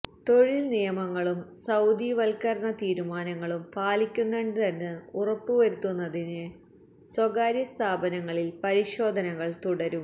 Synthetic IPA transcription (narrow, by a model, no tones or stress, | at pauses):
t̪o̞ɻilnijɐmɐŋːɐɭumsɐwd̪iʋɐlkɐɾɳɐt̪iːɾumaːnɐŋːɐɭumpaːlikʲːunːeɳɖɨt̪ɐnːɨurɐpːuʋɐɾut̪ːunːɐðinɨ | swɐɡaːɾjɐst̪ʰaːbɐnɐŋːɐɭilpɐɾiɕo̞ːd̪ʱɐnɐŋːɐɭt̪uɽɐɾum